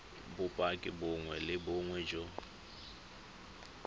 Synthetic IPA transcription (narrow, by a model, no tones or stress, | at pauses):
bʊpʼakʼɪbʊŋwɛlɪbʊŋwɛd͡ʒɔ